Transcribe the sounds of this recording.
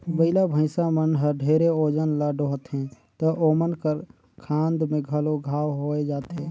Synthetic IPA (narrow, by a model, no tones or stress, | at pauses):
bəɪlabʱə̃ɪsamənɦəɾɖʱeːɾeoːd͡ʒənlaɖoːɦt̪ɦɛ̃ | t̪əʔoːmənkəɾ | kʰãːnd̪mẽɡʱəloɡʱaːwɦoːed͡ʒaːt̪ɦɛ̃ː